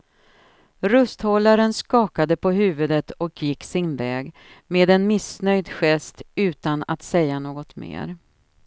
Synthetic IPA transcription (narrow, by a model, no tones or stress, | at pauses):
ɾɵst̪hɔlːaɾənskɑːkad̪əpʰɔɦʉ̟ːvɵd̪ət̪ɔkjɪkːsɪnvɛːɡ | meːd̪ɛnmɪsnœjd̪ɧɛst̪ʉ̟ːt̪ana̰t̪sɛjːanoːɡɔt̪mḛːɾ